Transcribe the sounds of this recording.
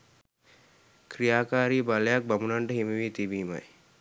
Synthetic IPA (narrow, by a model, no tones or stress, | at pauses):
krijaːkaːɾiːbaləjak̚bamunaɳɖəɦimeʋiːt̪ibiːma̰j